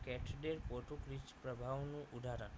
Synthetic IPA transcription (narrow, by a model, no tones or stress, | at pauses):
kɛʈʰɖeɾpoʈukɾit͡ʃpɾəbʱaʋnũʔud̪ʱaɾən